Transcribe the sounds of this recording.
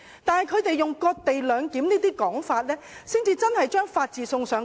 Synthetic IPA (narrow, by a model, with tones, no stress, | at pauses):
t̪aː˨nhɐ˨˩jkʰɵ˨˧ɥt̪e˨jːʊ˨ŋkɔː˧k̚t̪e˨jlœː˨˧ŋkiː˨˥mniː˥t̪iː˥kɔː˨˥ŋfaː˧t̚lɛː˥siː˥ŋt͡siː˧t͡sɐ˥nhɐ˨˩jt͡ʃœː˥ŋfaː˧t̚t͡siː˨˧sʊ˧ŋsœː˨˧ŋ